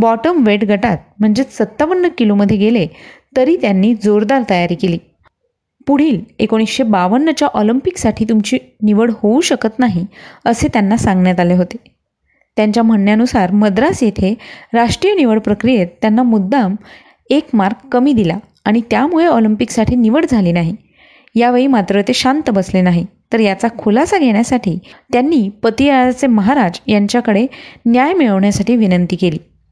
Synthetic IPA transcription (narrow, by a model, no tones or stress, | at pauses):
bɔʈəmʋeʈɡʱəʈat̪̚m̤əɳd͡zesət̪ːaʋənːəkiloməd̪ʱːjeɡelet̪əɾiːt̪janːiːd͡zoɾd̪aɾt̪əjaɾiːkeliː | puɽ̤iːlekoɽ̃isɕebaʋənːət͡ɕjaʔɔlimpiksaʈʰiːt̪umt͡ɕiːniʋəɽhouɕəkət̪naɦiəset̪janːasãŋɡnjat̪aleɦot̪e | t̪jaɲt͡ɕjam̤əɳjanusaɾməd̪ɾasjet̪ʰeɾaʂʈɾijəniʋəɽpɾəkɾijet̪ːjanːamud̪ːam | ekmaɾɡkːəmiːd̪ila | aɽ̃it̪jamuɭeɔlimpiksaʈʰiːniʋəɽd͡zʱaliːnaɦi | jaʋeɭiːmat̪ɾət̪eɕant̪əbəslenaɦit̪əɾjat͡sakʰulasaɡʱeɽjasaʈʰiːt̪janːiːpət̪ijat͡seməɦaɾad͡zjaɲt͡ɕjakəɽenjajmiɭəʋɳjasaʈiːʋinənt̪iːkeliː